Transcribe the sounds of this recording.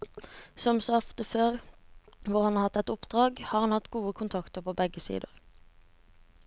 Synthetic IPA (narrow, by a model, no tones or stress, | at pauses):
sɔmsoːɔft̪əføːʁ | ʋʊʁhɑnɑːʁhɑt̪ːɛt̪ʊpd̪̥ʁɑːɡhɑːʁhɑnhɑt̪ɡuːəkʰʊnt̪ʰɑkt̪əʁpʰoːbɛɡəsḭːd̪ə̰ʁ